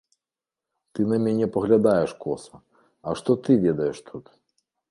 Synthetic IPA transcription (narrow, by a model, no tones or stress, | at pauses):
t̪ɨnɐmʲanʲɛpɐɣlʲad̪ajɛʂkɔsɐ | ɐʂt̪ɔt̪ɨvʲɛd̪ɐjɛʂt̪ʰut̪